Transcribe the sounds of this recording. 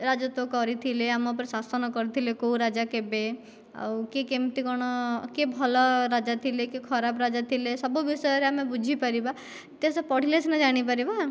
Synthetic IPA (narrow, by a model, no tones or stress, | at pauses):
ɾad͡ʒɔt̪okɔɾit̪ʰileamɔp̬ɔɾsasɔnɔkɔɾit̪ʰilekouɾad͡ʒakebe | a̰wkekemt̪ikɔɽ̃ɔkebʱɔlɔɾad͡ʒat̪ʰilekekʰɔɾapɾad͡ʒat̪ʰilesɔbubisɔjɔɾeamebud͡ʒʱipaɾiba | t̪esɔpɔɽ̤ilesʰnad͡ʒaɽ̃ip̬aɾiba